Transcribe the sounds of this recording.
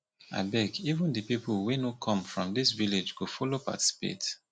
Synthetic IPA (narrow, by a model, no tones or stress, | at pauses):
a̰ɪbɛkivə̃ndɨpiplwinokʰɔ̃mfɹɔ̃mdisviled͡ʒɡofɔlopa̰ti̥si̥pḛt